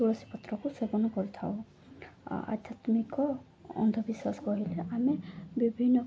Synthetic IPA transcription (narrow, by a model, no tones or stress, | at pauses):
uɹɔsi̥pɔt̪ːɾɔkusebɔnɔkɔɹit̪ʰa̰ʊ | a̰d̪ʱjat̪mikɔ | ɔ̰nd̪ʱɔbiswaskɔɦilɛʔamɛbibʱinːɔ